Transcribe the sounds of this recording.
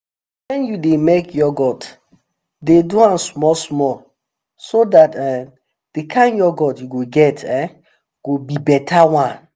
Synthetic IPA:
wɛ̃njudemekjɔɡɔt | deduãnsmɔsmɔl | sodatɛ | d̥ekʰãɪ̃njɔɡɔtjuɡoɡɛtɛ | ɡ̥obibɛtʰawãn

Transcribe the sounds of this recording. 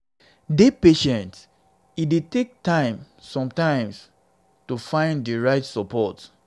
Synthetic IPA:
depeʃɛ̃nt | idetek̚tãɪ̃m | sɔ̃mtãɪ̃ms | tufãɪ̃nddiɹaɪtsɔpɔt

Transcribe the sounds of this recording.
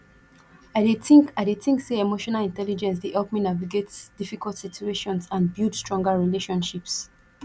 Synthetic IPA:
aɪdetĩŋkaɪdetĩŋkseemoʃɔnalĩntɛlid͡ʒɛ̃ns̬deʔɛlpminaviɡetsd̥ifikaltsitʰueʃɔ̃nsãnbjudstɹ̥ɔ̃ŋɡaɹileʃɔ̃nʃips

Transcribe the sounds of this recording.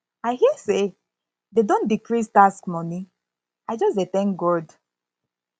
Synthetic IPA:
aɪɦiəse | dedõndikɹistaskmɔni | aɪd͡ʒɔsdetɛ̃ŋk̚ɡɔd

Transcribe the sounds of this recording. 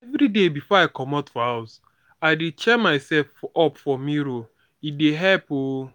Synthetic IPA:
ɛvɾidebifɔaɪkɔmɔtfɔɦaʊs | aɪdet͡ʃɛmaɪsɛlfɔpfɔmiɾo | ideɦɛpo

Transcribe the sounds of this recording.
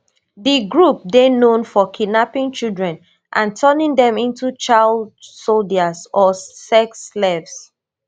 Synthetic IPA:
diɡɹup̚denõnfɔkʰinapĩnt͡ʃildɹɛ̃n | ʔãntʰɜnĩŋdɛ̃mĩntut͡ʃaldsoldasɔsɛkslɛvs

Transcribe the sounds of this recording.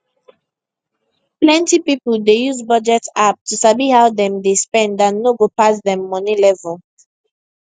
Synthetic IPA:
plɛ̃ntipipəldejuzbɔd͡ʒɛtap̚tusabihaʊdɛ̃mdespɛ̃ndãnːoɡopas̬dɛ̃mːɔnilɛvəl

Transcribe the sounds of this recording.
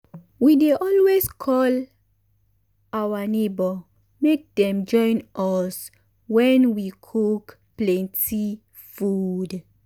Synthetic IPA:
wideʔɔlweskʰɔl | awanebɔ | mek̚dɛ̃md͡ʒɔ̃ɪ̃nɔs | wɛ̃nwikʰuk | plɛ̃nti | fud

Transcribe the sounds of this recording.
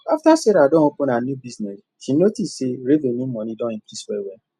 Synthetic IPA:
aftaseɾadɔ̃okonanjubiznɛs | ʃinotisːeɾevenĩmɔ̃nidɔ̃ĩkɾiswɛwe

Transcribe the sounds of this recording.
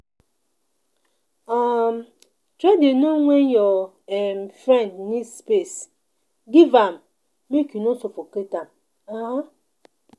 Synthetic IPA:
am | tɾadenoŋʷenjɔ | mfɾɛndnispes | ɡivam | mekunosofoketam | aɦa

